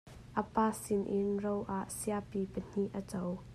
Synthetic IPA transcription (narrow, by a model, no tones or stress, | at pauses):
ʔəpaːsɪnʔɪnrowʔaʔsiapipən̥iʔət͡sow